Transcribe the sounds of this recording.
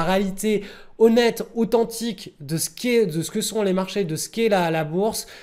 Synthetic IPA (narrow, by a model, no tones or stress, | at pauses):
ʁealit̪e | ɔnɛt̪ot̪ɑ̃t̪ikd̪əsə̥kʲɛd̪əsə̥kəsɔ̃lemaʁʃed̪əsə̥kʲɛlalabuʁs